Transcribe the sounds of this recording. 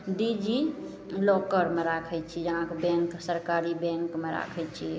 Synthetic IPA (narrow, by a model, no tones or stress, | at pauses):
ɖid͡ʒi | lɔkəɾmeɾakʰɛt͡ʃʰid͡ʒəɦãkebɛ̃ŋksəɾkaɾibɛ̃ŋkmeɾa̰kʰɛt͡ʃʰi